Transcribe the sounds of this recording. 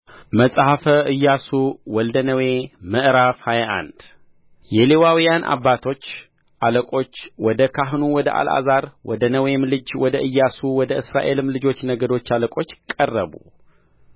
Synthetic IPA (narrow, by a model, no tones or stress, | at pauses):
məsʼhafəʔɨjːasuwɔld̪ənəwe̞məʔɾafhajʔa̰nd̪̥ | jɛlewawijanʔa̰bːat̪ʰo̞t͡ʃː | ʔaləkʼo̞t͡ʃːwɔd̪əkʰaɦnuwɔd̪əʔa̰lʔa̰zaɾwɔd̪ənəwemlɨd͡ʒwɔd̪əʔɨjːasuwɔd̪əɨsɾaʔe̞lɨmlɨd͡ʒo̞t͡ʃːnəɡəd̪o̞t͡ʃːaləkʼo̞t͡ʃːkʼərːəβṵ